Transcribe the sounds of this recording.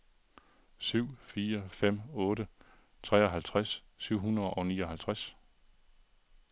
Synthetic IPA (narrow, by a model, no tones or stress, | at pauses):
syʊ̰fiːɐfem̰ɔ̽ːɾə | t͡sʰʁɛ̰ːɒɦælt͡sʰʁasː | yʊ̰ɦunɐðˠɒ̽ʊnḭːɒ̽ɦælt͡sʰʁas